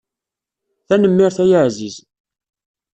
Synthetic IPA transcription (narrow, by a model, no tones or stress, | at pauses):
θænəmːɪɾθæjəʕziz